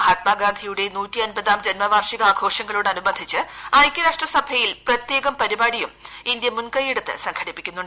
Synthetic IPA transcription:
aːt̪maːɡaːnd̪ʱijuɽe̞nuːtːiɐnbɐðaːmd͡ʑɐnmɐʋaːrʂiɣɐaːɡʰʱo̞ːʂɐŋːɐɭuːɽɐnubɐd̪ʱit͡ɕːɨaːjkʲːɐɾaːʂʈrɐsɐbʱɐjilprɐt̪jeːɣɐmpɐɾibaːɽijumind̪jɐmunkɐjeɽut̪ːɨ̰sɐŋkʰɐɽipːikʲːunːuɳɖ

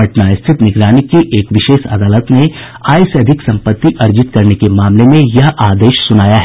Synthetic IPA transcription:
ɐʈnaːjəst̪ʰɪt̪nɪɡɾaːnɪkːiʔeːkʋɪʃeːʃɐ̰d̪aːlət̪ne | aːjɪsɐd̪ʱɪksɐ̃mpət̪ːiʔɐɾd͡ʒɪt̪kɐɾnekemaːmlemẽjɐɦʔaːd̪eːʃsʊnaːjaɦɛ

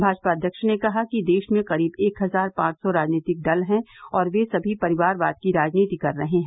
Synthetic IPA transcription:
bʱaːd͡ʒpad̪ʱjɐkʃɪɽnekɐɦakid̪eːʃmẽqɐɾiːbeːkɦɐzaːɾpãːt͡ʃsɔɾaːd͡ʒniːt̪ɪk̚ɖɐlɦɛ̃ɔːɾʋesɐbʱipɐɾɪʋaːɾʋa̰ːd̪̚kiɾaːd͡ʒniːt̪ikɐɾːɐɦeɦɛ̃ː

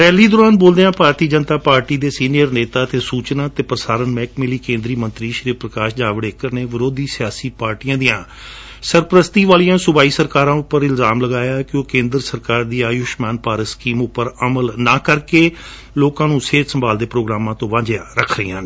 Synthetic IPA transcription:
pɛːliːd̪oːɾaːnboːld̪eːãːpaːɾt̪iːd͡ʒənt̪aːpaːɾʈiːd̪eːsiːnijəɾneːt̪aːt̪eːsuːt͡ʃnaːt̪eːpɾəsaːɾənmɛːkmɪliːkẽːnd̪ɾiːmə̃nt̪ɾiːʃəɾiːpɾəkaːʃd͡ʒaːʋɽeːkəɾneːʋəɾoːd̪iːsɪjaːsiːpaːɾʈijãːd̪ijãː | səɾpɾəst̪iːʋaːlijãːsʊbaːiːsəɾkaːɾãːʊpːəɾɪlzaːmləɡaːjaːkɪoːkẽːnd̪ɾsəɾkaːɾd̪iːaːjʊʃmaːnpaːɾəskiːmʊpːəɾəməlnaːkəɾkeː | loːkãːnũːseːt̪səmbaːld̪eːpɾoːɡɾaːmãːt̪õːʋãːd͡ʒeãɾəkʰɾəjã̰ː

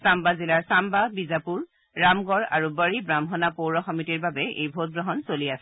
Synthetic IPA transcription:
sambazilaɹsambabizapuɹ | ɹamɡɔɹa̰ɹubəɹibɹamɦɔnapowɹɔxɔmitiɹbabɛḛjbʱot̚ɡɹɔɦɔnsoliasɛ

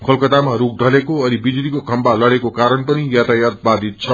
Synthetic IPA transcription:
kʰʌlkʌt̪amaɾuk̚ʰɖʱʌlekoʌɾibid͡zulikokʰʌmbalʌɽekokaɾʌnpʌnijat̪ajat̪̚bad̪ʱit̪̚t͡sʰʌ

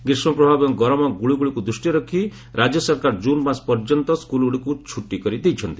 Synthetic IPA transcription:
ɡɾismɔpɾɔbʱabɔŋɡɔɾɔmɔɡuɭuɡuɭikud̪ɾusʈjiɾɔkʰi | ɾʔad͡ʒjɔsɔɾkaɾd͡ʒunbaspɔɾd͡ʒɔnt̪ɔskuluɽikut͡ʃʰuʈːikɔɾid̪ejt͡ʃʰɔnt̪i̥

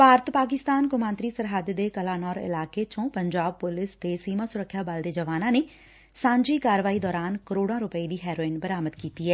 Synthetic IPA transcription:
paːɾt̪paːkɪst̪aːnkʊmãːnt̪ɾiːsəɾɦəd̪d̪eːkəlaːnɔːɾɪ̰laːkeːt͡ʃõːpəɲd͡ʒaːb̚pʊlɪst̪eːsiːmaːsʊɾəkʰːjaːbəld̪eːd͡ʒəʋaːnãːneː | sãːɲd͡ʒiːkaːɾʋaːiːd̪ɔːɾaːnkəɾoːɽãːɾʊpəiːd̪iːɦɛːɾoːɪnbəɾaːməd̪kiːt̪iːɦɛː

